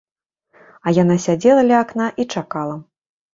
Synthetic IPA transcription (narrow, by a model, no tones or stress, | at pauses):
ɐjan̪asʲad͡zʲɛlˠɐlʲɐaknaʔit͡ʂakalˠɐ